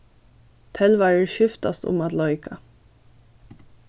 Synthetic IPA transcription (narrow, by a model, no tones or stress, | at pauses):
t̪ʰɛlʋæːɹəʃʏft̪ɑ̰st̪ʊ̰mɑt̪lɔʏkʰɑ